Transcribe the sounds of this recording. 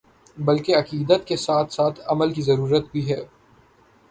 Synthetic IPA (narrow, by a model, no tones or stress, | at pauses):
bɐlkeɐqiːd̪ət̪kesaːt̪ʰsaːt̪ʰɐməlkizɐɾuːɾət̪bʱiɦɛː